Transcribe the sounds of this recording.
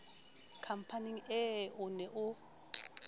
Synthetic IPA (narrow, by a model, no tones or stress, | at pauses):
kʰam̩pʰaniŋɛunɛʔʊ